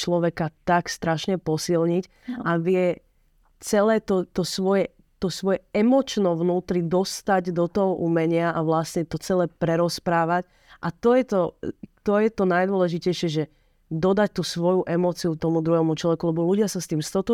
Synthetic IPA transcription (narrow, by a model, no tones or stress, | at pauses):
t͡ʃlɔʋɛkat̪akst̪ɾaʃɲɛpɔsilɲic | aʋɪɛ | t͡sɛlɛːt̪ɔt̪ɔsʋɔjɛ | t̪ɔsʋɔjɛɛmɔt͡ʃnɔʋnuːt̪ɾid̪ɔst̪aɟd̪ɔt̪ɔɦɔʔumɛɲɪaʔaʋlasɲɛt̪ɔt͡sɛlɛːpɾɛɾɔspɾaːʋac | ʔat̪ɔjɛt̪ɔt̪ɔjɛt̪ɔnajd̪wɔlɛʒicɛjʃɪɛʒɛ | d̪ɔd̪ac̚t̪usʋɔjuʔɛmɔːt͡siut̪ɔmud̪ɾuɦɛmut͡ʃlɔʋɛkulɛbɔluɟɪasast̪iːmst̪ɔt̪ɔ